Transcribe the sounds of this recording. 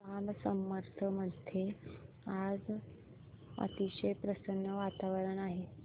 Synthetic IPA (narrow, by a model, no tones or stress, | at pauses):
amsəmːəɾt̪ʰəməd̪ʱje | ad͡z | ə̰t̪iɕəjpɾəsənːəʋat̪aʋəɾəɳaɦe